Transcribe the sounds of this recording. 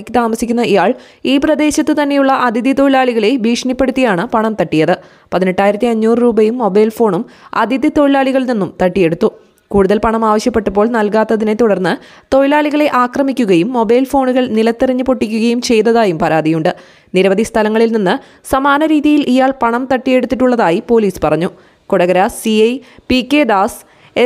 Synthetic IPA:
kʲːɨt̪aːmɐsikʲːunːɐʔijaːɭ | iːprɐd̪e̞ːɕɐt̪ːɨt̪ɐnːe̞juɭːɐʔɐd̪ʱid̪it̪o̞jilaːɭiɣɐɭe̞bʱiːʂɐnipːe̞ɽut̪ːijaːɳɨpɐɳɐmt̪ɐʈːijɐðɨ | pɐðine̞ʈːaːjiɾɐt̪ːiɐɲːuːrɨruːbɐjumːo̞bɐjlfo̞ːɳumɐ̰d̪ʱid̪it̪o̞jilaːɭiɣɐɭninːumt̪ɐʈːije̞ɽut̪ːu | kuːɽuðɐlpɐɳɐmaːʋɐɕjɐpːe̞ʈːɐpːo̞ːɭnɐlkaːt̪ːɐðine̞t̪uɽɐrnːɨ | t̪o̞jlaːɭiɣɐɭe̞ʔaːkrɐmikʲːuɣɐjumːo̞bɐjlfo̞ːɳuɣɐɭnilɐt̪ːiriɲːɨpo̞ʈːikʲːuɣɐjumt͡ɕe̞jt̪ːɐðaːjumpɐɾaːd̪ijuɳɖɨ | niɾɐʋɐd̪ʱist̪ʰɐlɐŋːɐɭilninːɨ | sɐmaːnɐɾiːðijilʔijaːɭpɐɳɐmt̪ɐʈːije̞ɽut̪ːiʈːuɭːɐðaːjipo̞ːliːspɐrɐɲːu | kuɽɐɣɐɾɐsiɐjpikːed̪aːs | e

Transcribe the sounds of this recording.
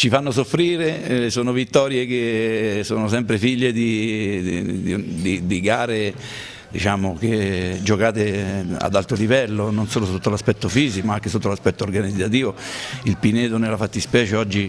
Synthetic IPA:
t͡ʃifanːos̬ofɾiːɾesoːnovit̪ːɔːɾjek̟esoːnos̬ɛmpɾefiʎːed̪i | d̪id̪iɡaːɾe | d̪it͡ʃaːmok̟ed͡ʒokaːt̪ea̰d̪alt̪ɾolivɛlːononsoːlosot̪ːolaspɛt̪ːofiːzikomaaŋk̟esot̪ːolaspɛt̪ːoːrɡanid̪zːat̪iːvoilpineːt̪onelafat̪ːispɛːt͡ʃeɔd͡ʒːi

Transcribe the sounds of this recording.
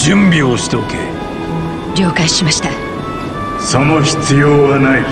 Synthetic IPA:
d͡ʑɨ̃mbʲioɕi̥t̪okḛ | ɾʲo̞ːkaɕimaɕi̥t̪a | sonoçi̥t͡sɨjoːβanai

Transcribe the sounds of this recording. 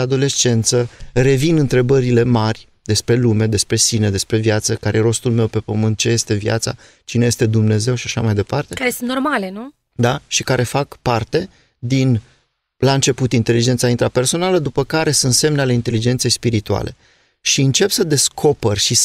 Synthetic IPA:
ad̪o̞le̞st͡ʃe̞nt̪səre̞vinɨnt̪ɾe̞bəɾile̞marʲ | d̪̥e̞spɾe̞lume̞d̪e̞spɾe̞sine̞d̪e̞spɾe̞vjat̪səkaɾejeɾo̞st̪ulme̞wpe̞pəmɨnt̪̚t͡ʃe̞je̞st̪e̞vja̰t̪sa̰ | t͡ʃine̞je̞st̪e̞d̪umne̞ze̞wʃiaʃamajd̪e̞part̪ekaɾesunt̪normale̞nu | d̪aʃikaɾe̞fakpart̪e̞ | d̪in | laɨnt͡ʃe̞put̪int̪e̞lid͡ʒent̪saint̪ɾape̞rso̞naləd̪upəkaɾe̞sunt̪se̞mneale̞int̪e̞lid͡ʒent̪se̞jspiɾit̪ua̰lʔe̞̰ | ʃiɨnt͡ʃe̞psəd̪e̞skʰo̞perʲʃis

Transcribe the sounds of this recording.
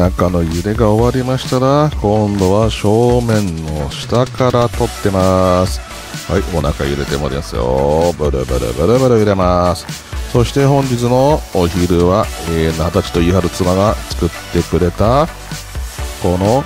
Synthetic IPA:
nakano̞jɯ̟ɾe̞ɡao̞βaɾʲimaɕi̥t̪aɾakõ̞nd̪o̞βaɕo̞ːmẽ̞nːo̞ɕi̥t̪akaɾat̪o̞t̪ːe̞masɨ̥ | ha̰io̞na̰kajɯ̟ɾe̞t̪e̞mo̰ɾʲmasɨjo̞̰bɯ̟ɾɯ̟̰bɯ̰ɾɯ̰bɯ̟ɾɯ̟bɯ̟ɾɯ̟ɯɾe̞masɨ̥ | so̞ɕi̥t̪e̞hõ̞ɲ̟d͡ʑit͡sɨno̞ːçiɾɯ̟βaeːnat̪at͡ɕi̥t̪o̞iɦaɾɯ̟t͡sɨmaɡat͡sɨ̥kɯ̟t̪ːe̞kɯ̟ɾe̞t̪a | ko̞no̞

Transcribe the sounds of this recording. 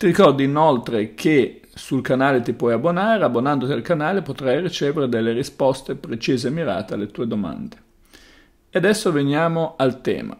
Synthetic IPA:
t̪iɾikɔrd̪iːnolt̪ɾekʰe | sulkanaːlet̪ipwɔjabːonaːɾeabːonand̪ot̪ialkanaːlepot̪ɾajrit͡ʃeːveɾed̪elːeɾispɔst̪epɾet͡ʃiːzemːiɾa̰ːt̪ealːet̪uːed̪oma̰nd̪e | ead̪ɛsːovenjaːmoalt̪ɛ̰ːma̰

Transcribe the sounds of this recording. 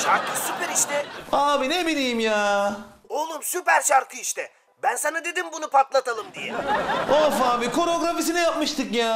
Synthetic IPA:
ʃaɾk̪ʰɯsypæɾiʃt̪ʰɛaːbinebilʲijmjaː | olˠumsypæɾt͡ʃaɾk̪ʰɯiʃt̪ʰɛ | bænsanad̪e̞d̪imbunupʰat̪lˠat̪ʰalˠɯmd̪ijɛofaːbikʰo̞ɾo̞ɡɾafis̬inɛjap̚mɯʃt̪ʰɯkjaː

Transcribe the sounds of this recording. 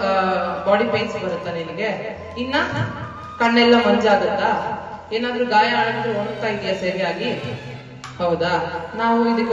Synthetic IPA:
baːɽipeːnsbɐɽɐt̪ːɐninɐɡe̞ | inːɐ | kɐɳːɛlːɐmɐɲd͡ʒaːd̪ɐt̪ːɐ | eːnaːd̪ɾuɡaːjɐaːɭɐk̪ːɾuoɳɡt̪ːaːjid̪ijɐseɾijaːɡi | hɐwd̪ɐnaːʋuid̪ɐkːe

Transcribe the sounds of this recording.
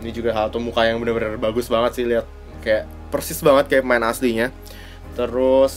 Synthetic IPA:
inid͡ʒuɡaɦalt̪umukajaŋbənərbənərrbaɡʊsbaŋət̪sɪhliat̪̚ | kajaʔ | pərsɪsbaŋət̪̚kajaʔpəmaɪnasliɲa | t̪əɾʊs

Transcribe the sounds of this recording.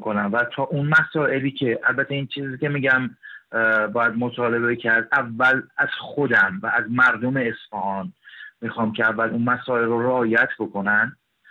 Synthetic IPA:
konæmvæt̪ʰɒːʔunmæsɒːʔe̞liːcʰe̞ʔælbæt̪ʰːeiːnt͡ʃʰiːziːcʲe̞miɟæm | bɒːjæd̪̚mot̪ʰɒːle̞becʰæɾd̪ʔævːælæz̥xod̪æmvæʔːzmæɾd̪ome̞ːsfæhɒːnmixɒːmcʰeævːælunmæsɒːe̞lroɾeɒːjæt̪ʰbo̞kʰo̞nænd̪

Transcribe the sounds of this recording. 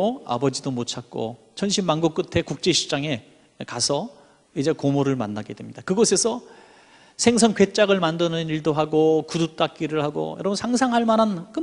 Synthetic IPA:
oa̰bʌd͡ʑidomot͡ɕʰak͈o̰ | t͡ɕʰʌnɕʰimmanɡuk͈̚ɯtʰe̞kuk̚t͡ɕ͈e̞ɕʰi̥p̚t͡ɕ͈aŋe̞ | kasʰʌ | id͡ʑe̞komoɾɯɭmanːaɡe̞dwe̞mɲid̥akɯɡʌsʰe̞sʰʌ | sʰe̞ŋs̬ʰʌŋkɥe̞t͡ɕ͈aɡɯɭmandɯnɯniɭdoɦaɡokudut͈ak̚k͈iɾɯɭhaɡo̰jʌɾʌbunsʰaŋsʰaŋɦaɭmanankɯ

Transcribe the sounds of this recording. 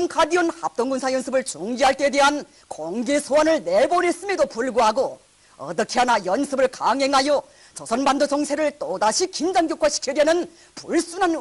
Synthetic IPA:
ŋkʰadiʌnhap̚t͈oŋɡunsʰajʌnsʰɯbɯɭt͡ɕuŋd͡ʑiɦaɭt͈eːdeɦan | koŋɡesʰoanɯɭnebone̞s͈ɯmjedopuɭɡoɦaɡo | ʌ̰t͈ʌkʰeɦanajʌnsʰɯbɯɭkaŋɦe̞ŋɦajʌ | t͡ɕʌsʰʌnbandot͡ɕʌŋsʰe̞ɾɯɭt͈odaɕʰikind͡ʑaŋɡjokʰaɕʰi̥kʰedenɯn | puɭs͈unan

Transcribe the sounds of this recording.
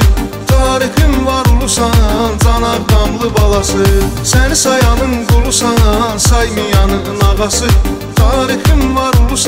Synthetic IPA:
t̪ʰɑːɾixinvɑɾulˠusɑnɑnzɑnɑɾɡ̪ɑmlˠɯbɑlˠɑsɯsænisɑjɑnɯnɡulˠusɑnɑnsɑjmijɑnɯnɑʁɑsɯ | t̪ʰɑːɾixinvɑɾulˠus

